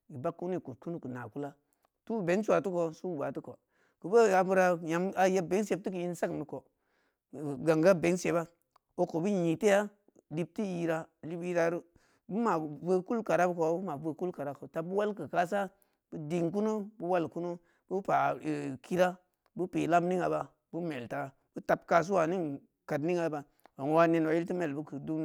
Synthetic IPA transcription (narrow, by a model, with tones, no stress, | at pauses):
i˨ba˦kːu˦ni˦˨ku˨t̚ku˦nu˦kə˨na̰˨ku˦la˦ | tu˦˨be˨˦nsu˦a˨tu˦ko˨su˦˨ba˨tu˦ko˨ | ku˨bə˦a˨bu˦ɾa˦ja˨ma˨je˦be˨˦nse˦b̚ti˦k̬i˨i˦n˦sa˦kni˨ko˨ | ɡa˨ŋɡa˦be˨˦nse˨ba˦ | o˨ko˨bu˦ɲi˨te˦ja˦ | li˨p̚ti˦ji˦ɾa˨li˦bi˦ɾa˦ɾu˦ | bu˦ma˨ve˦ku˦lka˨ɾa˦bko˨˦bu˦ma˨ve˨˧ku˦lka˨ɾa˦ko˨ta˨˦bu˦wa˦lkɨ˨ka˦s̬a˦ | b̥u˦di˨ŋk̬u˦no˦bu˦wa˦lku˦no˦ | b̥u˦pa˨ki˦ɾa˦ | bu˦pe˨la˦mni˦ŋa˨ba˨ | bu˦me˨lta˨ | bu˦ta˨p̚ka˨s̬u˦wa˨ni˦ŋ | ka˨dni˦ŋa˨˦ba˨ | wa˨ŋ˦wa˦ne˦˨nwa˨ji˦lti˦me˨lbu˦ku˨du˦